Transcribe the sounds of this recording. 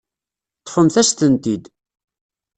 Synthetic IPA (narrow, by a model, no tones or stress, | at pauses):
t̪ːfəmθæst̪ənt̪id̪